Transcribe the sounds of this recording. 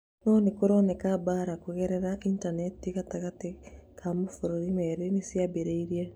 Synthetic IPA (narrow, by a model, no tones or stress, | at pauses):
nɔːnekoɾɔːnɛkabaːɾakoɣɛɾɛɾaʔintanɛtikataɣatekʰamofoɾoɾimɛɾenesiabeɾeiɾia